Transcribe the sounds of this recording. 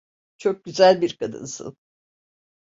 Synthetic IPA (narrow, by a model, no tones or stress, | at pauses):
t͡ʃʰo̞k̚ɟyzælʲbiɾkʰad̪ɯ̰nsɯ̰n